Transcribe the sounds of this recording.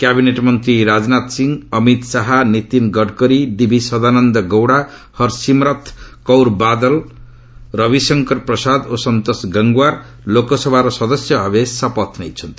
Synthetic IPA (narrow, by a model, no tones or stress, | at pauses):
kjabineʈmʌnt̪ɾiɾad͡znat̪siŋʌmit̪saɦanit̪inɡʌɖkʌɾid̪ibʱisʌd̪anʌnd̪ʌɡʌwɽa | hʌɾsimɾʌt̪ʰkʌwɾbad̪ʌl | rʌbisʌŋkʌrprʌsad̪osʌnt̪osɡʌŋɡwaɾ | lokosʌbʱaɾosʌd̪ʌsjʌbʱʌbesʌpʌt̪ʰnejt͡sʰʌnt̪i